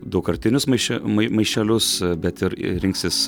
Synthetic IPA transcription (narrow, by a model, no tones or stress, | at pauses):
d̪ɐʊkɐɾʲt̪ʲɪnʲʊsmɐɪʃʲɛmɐɪmɐɪʃʲɛlʲʊsbʲɛt̪ɪɾɾʲɪŋksʲɪs